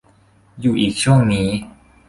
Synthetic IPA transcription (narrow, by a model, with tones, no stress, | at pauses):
juː˨˩ʔiː˨˩k̚t͡ɕʰu˥˩əŋniː˦˥